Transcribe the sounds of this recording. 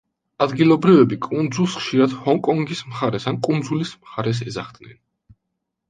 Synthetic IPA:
ad̪ɡilˠɔbɾivɛbikʼund̪zulˠsχʃiɾad̪hɔŋkʼɔŋɡismχaɾɛsankʼund̪zulismχaɾɛs̬ɛzaχd̪nɛ̰n

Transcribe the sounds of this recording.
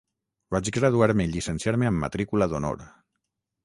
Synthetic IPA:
bat͡ʃɡɾaðuaɾmeiʎisənsjaɾmeəmːa̰t̪ɾikulaðono̰ɾ

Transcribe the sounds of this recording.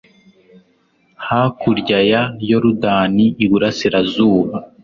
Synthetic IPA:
hakuɾɟajajo̞ɾudaːniːɡuɾasiɾazuːβa

